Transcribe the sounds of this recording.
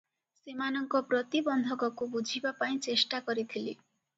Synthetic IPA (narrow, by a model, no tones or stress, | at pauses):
semanɔŋkɔpɾɔt̪ibɔnd̪ʱɔkɔkubud͡ʒʱibapaĩt͡ʃesʈakɔɾit̪ʰili